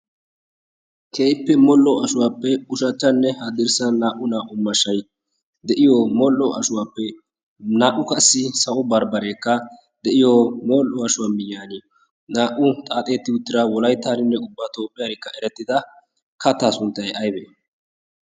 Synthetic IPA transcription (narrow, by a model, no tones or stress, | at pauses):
kʰeːjpːɛmɔlːɔʔɐʃʊwaːpːɛʊʃɐt͡ʃːɐnːɛhɐd̪ɪɾsɐnaːʔʊnaːʔʊmɐʃːɐj | d̪ɛʔɪjoːmɔlʔɔʔɐʃʊwaːpːɛ | naːʔʊkɐsːɪsɐɔbɐɾbɐɾe̞ːkːɐ | d̪ɛʔɪjomoːlʔɔɐʃʊwaːmɪjːaːnɪ | naːʔʊt̪ʼaːt̪ʼe̞ːt̪ːɪʊt̪ːɪɾɐwɔlɐjt̪ːaːnɪnːɛʊbːɐt̪o̞ːpʼːɪjɐɾɪkːɐɛɾɛt̪ːɪd̪ɐ | kɐt̪ːaːsʊnt̪ːɐjʔɐjbḛ